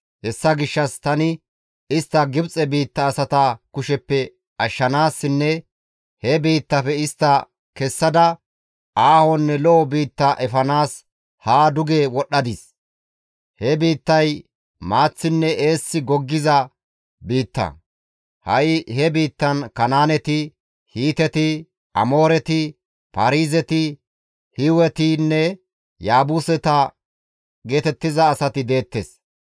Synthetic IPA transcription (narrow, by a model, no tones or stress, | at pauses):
hɛsːɐɡɪʃːɐst̪ɐnɪ | ɪst̪ːɐɡɪbt͡sʼɛbiːt̪ːɐːsɐt̪ɐkʊʃɛpːɛ | ɐʃːɐnaːsːɪnːɛ | hɛbiːt̪ːɐfɛɪst̪ːɐ | kɛsːɐd̪ɐ | aːhɔnːɛlɔɔbiːt̪ːɐʔɛfɐnaːs | haːd̪ʊɡeːwɔɗːɐd̪ɪs | hɛbiːt̪ːɐj | maːt͡sːɪnːɛʔe̞ːsːɪɡɔɡːɪzɐ | biːt̪ːɐ̰ | hɐjɪhɛbiːt̪ːɐnkɐnaːnɛt̪ɪ | hiːt̪ɛt̪ɪ | ʔɐmo̞ːɾɛt̪ɪ | pɐɾiːzɛt̪ɪ | hɪwɛt̪ɪnːɛ | jaːbʊsɛt̪ɐ | ɡe̞ːt̪ɛt̪ːɪzɐːsɐt̪ɪd̪e̞ːt̪ːes